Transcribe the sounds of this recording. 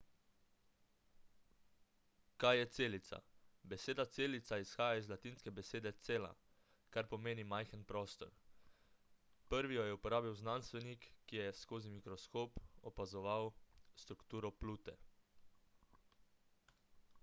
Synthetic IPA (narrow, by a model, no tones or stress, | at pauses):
kajjɛt̪seːlit̪sa̰bɛseːd̪at̪seːlit̪saisxaːjaizlat̪inskɛbɛseːd̪ɛt̪seːla̰ | kaɾpɔmeːnimajxənpɾɔːst̪ɔ̰ɾ | pəɾʋijɔjɛupɔɾaːbiwznanst̪ʋɛnikːijɛskoːzimikɾɔskoːpɔpazɔʋawst̪ɾukt̪uːɾɔpluːt̪ɛ̰